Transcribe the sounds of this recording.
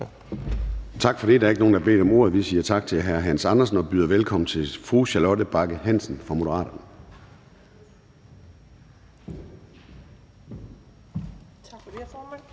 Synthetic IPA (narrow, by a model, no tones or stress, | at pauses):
t͡sʰɑ̈ɡ̥fɒ̽ɾḭd̥ɑ̈ɐe̝ɡ̥no̝ːn̩dɑbe̝̰ːd̥ɒ̽mo̝ɐ̰ð̞̩ˠʋisiːɐt͡sʰɑ̈ɡ̥̚t͡sʰe̝ɦæɐɦæn̰sɑ̈nɐsn̩ɒ̽b̥yːðˠɐʋelkʰɒ̽m̰n̩t͡sʰe̝lfʁuːɕælɔ̽dəb̥ɑ̈ɡ̥əhæn̰sn̩fʁɑ̈mo̝ɾəʁɑ̰̈ːɾ̥ɐnə